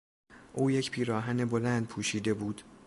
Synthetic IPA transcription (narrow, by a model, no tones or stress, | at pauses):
ʔuːje̞cpʰiːɾɒːɦæne̞bo̞lænd̪̚pʰuːʃiːd̪e̞buːd̪̥